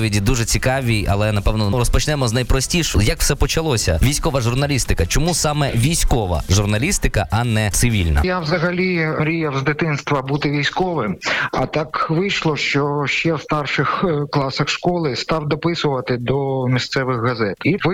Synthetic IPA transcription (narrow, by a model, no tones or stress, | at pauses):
ʋʲidʲid̪uʒɛt͡sʲikɑʋʲijɐ̰lˠɛnɐpɛwnɔɾɔspɔt͡ʃnɛmɔznɐjpɾɔsʲtʲiʃɔjɐkw̥sɛpɔt͡ʃɐlˠɔsʲɐ̰ʋʲijsʲkɔʋɐʒʊrnɐlʲist̪ɪkɐt͡ʃɔmusɑmɛʋʲijsʲkɔʋɐ̰ʒurnɐlʲist̪ɪkɐʔɐnɛt̪sɪʋʲḭlʲnɐ̰jawzɐɦɐlʲiɾʲijɐwzd̪ɪt̪ɪnst̪ʋɐbut̪ɪʋʲijsʲkɔʋɪmɐt̪ɑkʋɪjʃlˠɔʃt͡ʃɔʃt͡ʃɛwst̪ɑrʃɪxklˠɑsɐxʃkɔlˠɪst̪ɑwd̪ɔpɪsʊʋɐt̪ɪd̪ɔmʲist̪sɛʋɪxɦɐzɛt̪iʋɪ